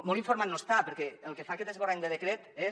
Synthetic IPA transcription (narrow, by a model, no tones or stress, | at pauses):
moliɱfoɾmannost̪apəɾkɛəlˠkefakɛt̪ezβoɾaɲd̪əðəkɾet̪e